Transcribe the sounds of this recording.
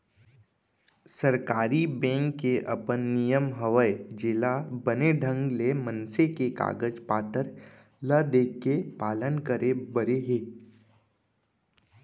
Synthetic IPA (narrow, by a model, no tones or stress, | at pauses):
səɾkaːɾibɛ̃ːŋkːeʔɐ̰pənːijəmɦəʋəed͡ʒɪlabəneɖʱə̃ŋɡlemə̃nsekeka̰ːɡəd͡ʒpaːt̪əɾ | lad̪eːkːepaːlənkəɾebəɾeɦeː